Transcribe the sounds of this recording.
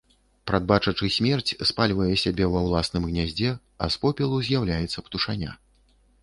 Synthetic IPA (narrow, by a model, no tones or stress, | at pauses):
pɾad̪̚bat͡ʂɐt͡ʂɨsʲmʲɛrt͡sʲspalʲvɐjɛsʲabʲɛvɐwlˠasnɨmɣnʲazʲd͡zʲɛ | ɐ̰spɔpʲɛlˠuzʲjawlʲajɛt̪sːɐpt̪uʂanʲa̰